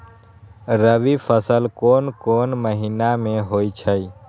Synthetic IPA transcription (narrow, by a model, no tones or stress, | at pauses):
ɾəʋipʰəsəlkoːnkoːnməɦinamẽɦoːit͡ʃʰəi